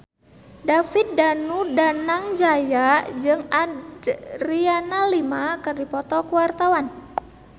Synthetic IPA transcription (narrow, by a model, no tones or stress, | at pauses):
dafit̪̚danudanaŋd͡ʒajad͡ʒɨŋadrianalimakɨrdipɔt̪ɔkuwart̪awan